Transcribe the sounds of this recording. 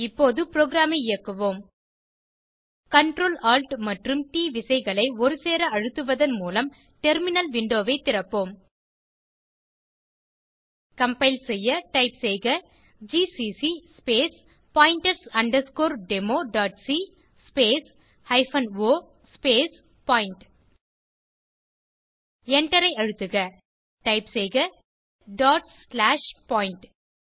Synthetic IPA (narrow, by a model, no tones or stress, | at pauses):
ɪpːoːðɯpɪɾoːɡɪɾaːmɐɪɪjɐkːɯʋoːm | kɐɳʈɾoːlaːlʈmɐʈrɯmʈiːʋɪsɐɪɣɐɭɐɪɔɾɯseːɾɐɐɻɯt̪ːɯʋɐðɐnmuːlɐm | ʈɛɾmɪnɐlʋɪɳɖoːʋɐɪt̪ːɪɾɐpːoːm | kɐmpɐɪlsɛjːɐʈɐɪpsɛjɣɐ | d͡ʒiːsisispeːs | paːjɪɳʈɐɾsɐɳɖɐɾskoːɾɖɛmoːɖaːʈsi | speːs | hɐɪfɐnoː | speːs | paːɪɳʈ | ɛɳʈɐɾɐɪɐɻɯt̪ːɯɣɐ | ʈɐɪpsejɣɐ | ɖaːʈslaːʂpaːɪɳʈ